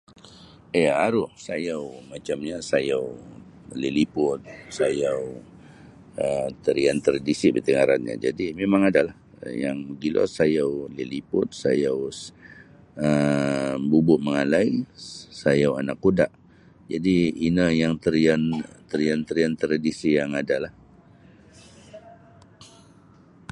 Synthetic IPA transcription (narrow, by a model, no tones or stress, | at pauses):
ijaaɾʊhsajawmat͡ʃamɲasajaw | lelipʊt̪̚sajaw | ət̪əɾiant̪əɾadisibət̪əŋaɾanɲa̰d͡ʒa̰dimemaŋadalah | jaŋməɡilo̰sajawləlipʊt̪̚sajaw | ə | bubʊʔ̪̚məŋalaisajawa̰nakːodaʔ | d͡ʒadiːnəjaŋt̪əɾiant̪əɾiant̪əɾiant̪ɾadisijaŋadalah